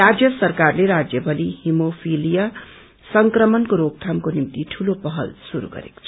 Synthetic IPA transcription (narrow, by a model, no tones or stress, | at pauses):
ad͡zjʌsʌrkarleɾad͡zjʌbʌlihimopʰilijʌ | sʌŋkrʌmʌnkoɾoɡ̚t̪ʰamkonimt̪iʈʰulopʌɦʌ̰lsuɾṵɡʌ̰ɾḛko̥t͡sʰʌ